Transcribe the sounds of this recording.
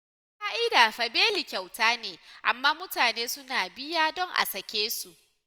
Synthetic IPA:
kaː˦ʔɪ˦daː˨ɸɐ˨beː˦li˨kʲa˨wtaː˦neː˨ʔa̰˨mːaː˦mʊ˦taː˨neː˦sʊ˦naː˨bɪ˦jaː˦dɔ˦ŋʔa̰˨sɐ˨kʲeː˦su˨ʔ

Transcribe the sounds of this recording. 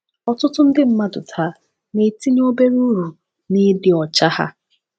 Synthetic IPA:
ɔ˦tʊ˦tʊ˦n̩˦dɪ˦m̩˦ma˦dʊ̰˨tʰa˨˦ | ne˨ti˦ɲ˦o˦be˦ɾu˦ɾu˨ | ni˦dɪ˨ɔ˨t͡ʃa˦ha̰˦

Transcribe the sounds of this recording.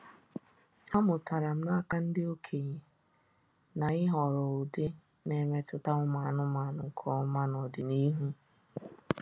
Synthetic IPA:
a˦mʊ˨ta˨ɾa˨m̩˦na˦ka˦n̩˦dɪ˦o˦kʰe˨ɲe˨ | na˨ɪ˦ɦɔ˨ɾɔ˨o˨de˦ | ne˨me˦tʊ˦ta˦ŋʷʊ˦ma˨nʊ˦ma˨nʊ˨ŋ̩˨kʰɔ˦ma˦nɔ˨dɪ˨ni˦ɦu˦

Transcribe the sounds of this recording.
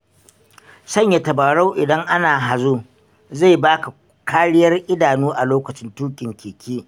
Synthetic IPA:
sɐ˦˨ɲja˨tɐ˨ba˨ɽa˦wʔɪ˨dɐ˦ŋʔa˦naː˨ɦa˨zu˦ | za˦˨jbaː˦ka˨ | kʰaː˦ɽɪ˦jɐ˦rʔɪ˦daː˨nuː˦ʔa˨loː˦kɐ˨t͡ʃɪ˦ntuː˦kʲʼɪ˨ŋkʲeː˨kʲiː˦

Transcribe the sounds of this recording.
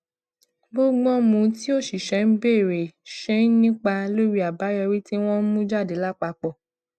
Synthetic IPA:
bo˦ɡ͡bɔ̃˦mũ˧˦ti˦o˦˨ʃi˨ʃɛ˨˦n̩˦be˦˨ɾe˨ʃɛ̃˦nĩ˦k͡pa˧lo˦ɾi˦a˨ba˨˦jɔ˧ɾi˦ti˦w̃ɔ̃˦n̩˦mũ˦d͡ʒa˦˨de˨˦la˦˨k͡pa˧k͡pɔ˨

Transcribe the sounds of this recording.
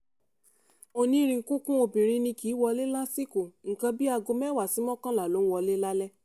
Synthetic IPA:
o˧nĩ˧ɾĩ˧ŋ̩˨˦kũ˦kũ˦o˧bĩ˨ɾĩ˧nĩ˧ki˨˦wɔ˧le˦la˦si˦ko˨ŋ̩˨kã˧bi˦a˧ɡo˧mɛ˦wa˨si˨˦mɔ̃˦kã˦la˨lo˨˦n̩˦wɔ˧˦le˦la˦lɛ˦

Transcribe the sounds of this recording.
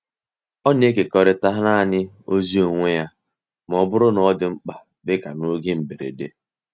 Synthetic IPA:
ɔ˦ne˦ke˨kɔ˨ɾɪ˨ta˦ɦna˦˨ɲɪ˦ | o˦zi˦o˨ŋʷe˦ja˦ | m˨ɔ˨bʊ˦ɾʊ˦nɔ˦dɪ˨ŋ͡m̩˦k͡pa˨ | bɪ˦ka˨no˦ɡe˦m̩˨be˨ɾḛ˨de˦

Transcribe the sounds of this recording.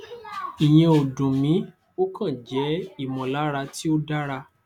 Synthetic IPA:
i˨j̃ĩ˧o˨dũ˨mĩ˨˦ | o˦kã˦˨d͡ʒɛ˨˦i˦˨mɔ̃˨la˨˦ɾa˧ti˦o˦da˦ɾa˧

